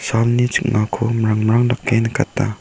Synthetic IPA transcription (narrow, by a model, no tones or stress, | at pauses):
salnid͡ʒək̚ŋakʰomɾaŋmɾaŋlakːenakatːa̰